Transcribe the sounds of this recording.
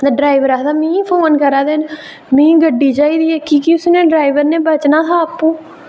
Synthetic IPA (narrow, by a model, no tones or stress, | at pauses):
d̪aɖɾaːiʋəɾaːɦd̪aːmĩːpʰoːnkəɾaːd̪eːn | mĩːɡəɖːiːt͡ʃaːiːd̪iːɛːkiːkɪʊsnẽːɖɾaːiʋəɾnẽːbət͡ʃnaːt̪ʰaːəpːũː